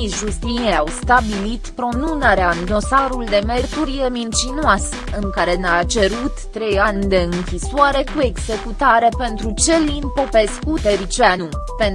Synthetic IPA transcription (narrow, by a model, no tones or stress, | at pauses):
isʒust̪inieawst̪abilit̪pɾo̞nunəɾeaɨnd̪o̞saɾuld̪e̞me̞rt̪uɾije̞mint͡ʃinoasə | ɨŋkaɾe̞neat͡ʃe̞ɾut̪ːɾe̞jand̪e̞ɨŋkʲisoaɾe̞kue̞ɡz̥e̞kut̪aɾe̞pe̞nt̪ɾut͡ʃe̞linpo̞pe̞skut̪e̞ɾit͡ʃanu | pen